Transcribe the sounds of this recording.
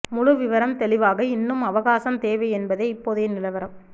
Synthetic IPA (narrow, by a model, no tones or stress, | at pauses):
mʊɻʊʋɪʋɐɾɐmt̪ɛlɪʋaːɣɐɪnːɯmɐʋɐɣaːsɐmt̪eːʋɐɪɛnbɐðɐɪɪpːoːðeːnɪlɐʋɐɾɐm